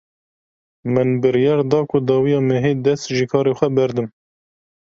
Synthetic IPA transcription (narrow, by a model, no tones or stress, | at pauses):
mɨnbɨɾjɑːɾd̪ɑːkʰʊd̪ɑːwijɑːmɛɦeːd̪ɛst̪ʒikʰɑːɾexʷɛbɛɾd̪ɨm